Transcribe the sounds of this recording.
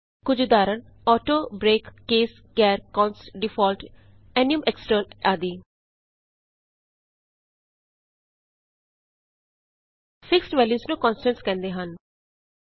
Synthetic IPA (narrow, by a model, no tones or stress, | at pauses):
kʊd͡ʒd̪aːɾən | ɔːʈoːbɾeːkːeːs | kɛːɾkɔ̃ːnsɖɪpʰɔːlʈ | ɛːnijʊəmeksʈəɾnaːd̪iː | pʰɪksʈʋɛːljuːsnũːkɔːnsʈənskɛ̃ːnd̪eːɦən